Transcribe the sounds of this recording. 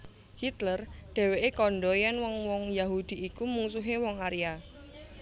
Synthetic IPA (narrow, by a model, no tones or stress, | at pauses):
hit̪lərɖ̪̥e̤weʔekɔnɖɔjɛnwɔŋwɔŋjaɦud̪̥i̤ikumuŋsuɦewɔŋaɾja